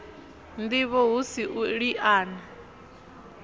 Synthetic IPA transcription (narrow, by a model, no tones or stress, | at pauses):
nd̪iβɔɦusiʔuɺiʔaːna